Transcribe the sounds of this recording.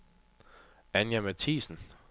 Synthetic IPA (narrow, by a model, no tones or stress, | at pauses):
ænjæmæt͡sʰḭːsn̩